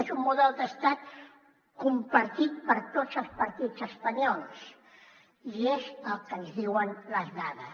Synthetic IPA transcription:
ezummuðɛlˠd̪əst̪at̪̚ | kumpəɾt̪it̪̚pəɾt̪ot͡səlˠspəɾt̪izəspɐɲɔlˠs | iezəlˠkənzðiwənləznaðə

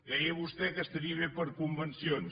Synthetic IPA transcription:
kɾɛjəβust̪ɛkəst̪əɾiəβepəɾkumbənsion

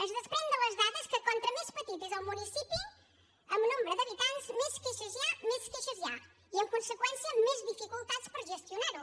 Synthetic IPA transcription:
ɐʒðɐʃpɾẽnd̪ɐ̃w̃ɐʒðaðɐʃkɨkõnt̪ɾɐmeʃpɐt̪it̪ɨzawmunisipu | ɐmnõmbɾɐðɐβit̪ãnt̪ʃmiʃkeʃɐzjamiʃkeʃɐzia | iẽŋkõsɨkwẽnsjɐmẽʒðifikulˠt̪aðʃpɐɾʒɨʃt̪junaɾu

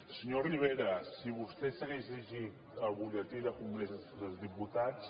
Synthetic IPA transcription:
səɲoriβ̞eɾəsiβust̪ɛsəɣezləʒit̪əlˠβulət̪iðəkuŋɡɾesðəlzðiput̪at͡s

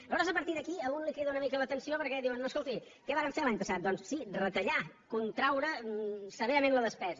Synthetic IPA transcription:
əβɔɾəzəpəɾt̪iðəkiəɣunlikɾiðəunəmikələt̪ənsiopəɾkɛðiwənːoskolˠt̪i | kɛβaɾəɱfelaɲpəsat̪̚d̪ɔnssirət̪əʎa | kunt̪ɾawɾəsəβeɾəmẽnləðəspɛzə

